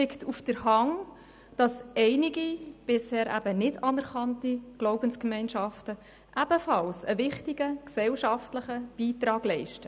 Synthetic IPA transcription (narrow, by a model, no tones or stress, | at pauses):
ɪktʰufd̥əɾhɑŋ | d̥ɑsʔɛɪniɡib̥ɪshɛːɾʔæ̰bənɪdɑnɛɾkɑntiɡ̥loʊbənskmɛɪnʃɑftə | ʔæb̥əfɑlsəvɪχtiɡəksɛlʃɑftləχəb̥iːtɾɑːɡ̥lɛɪʃtə